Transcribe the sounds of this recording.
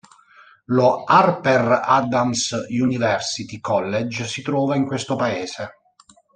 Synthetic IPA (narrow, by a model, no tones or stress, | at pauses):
loarpera̰d̪amsjunivɛrsit̪ikʰɔlːed͡ʒsit̪ɾɔːvaiŋkwest̪opaeːse